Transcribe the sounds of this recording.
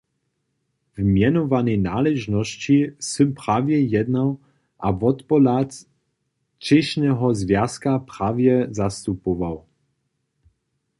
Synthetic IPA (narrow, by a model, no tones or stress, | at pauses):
vmjɛnɔvanɛnaːlɛʒnɔst͡ɕisəmpɾaːvjɛjɛd̪naw | ʔavɔt̪pɔlat͡s | t͡ʃɛʃnɛɦɔzvjaskapɾaːvjɛzast̪upɔvaw